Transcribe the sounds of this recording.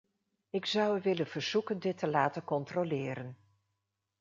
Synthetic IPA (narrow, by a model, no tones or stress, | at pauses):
ɪksʌwəʋɪlənv̥əɹz̥ukəndɪtːəlaːtənkɔntrolɪːɾən